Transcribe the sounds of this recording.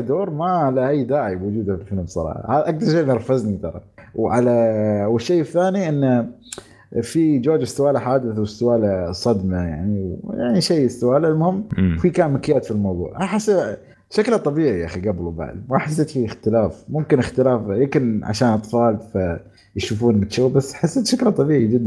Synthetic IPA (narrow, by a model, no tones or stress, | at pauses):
d̪oːɾˤmaʕalaʔajːd̪aːʕiwʊd͡ʒuːd̪afɪlfɪlmsˤɑ̰ɾˤɑ̰ːħɑ̰haːðʔak̚d̪ɑɾˤʃeːɑɾˤfaznit̪ɑ̰ɾˤɑ̰wʕalawɪʃːejːɪθːaːniʔɪnːa | fid͡ʒoːd͡ʒɪst̪ʊwaːlaħaːd̪ɪθwɪst̪ʊwaːlasˤːɑd̪maja̰ʕniwja̰ʕniʃeːɪst̪ʊwaːlalmʊhɪmːfikaːmakɪjːaːt̪filmawðˤṵːʕʔaħasːa | ʃaklat̪ˤɑbiːʕiʔaxiɡablwba̰ʕd̪maħasːeːt̪fiɪxt̪ɪlaːfmʊmkɪnɪxt̪ɪlaːfjɪmkɪnʕa̰ʃaːnʔɑt̪ˤfɑːlfa | jʃuːfuːnmɪt̪ʃowːbasːħasːeːt̪ʃaklat̪ˤːɑbiːʕid͡ʒɪd̪ː